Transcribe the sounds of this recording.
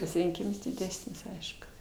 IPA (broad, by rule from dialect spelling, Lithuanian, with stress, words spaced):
pɐsʲɪrʲɪŋʲˈkʲiːms dʲɪˈdʲæːsʲnʲɪs ˈɐɪʃkʊ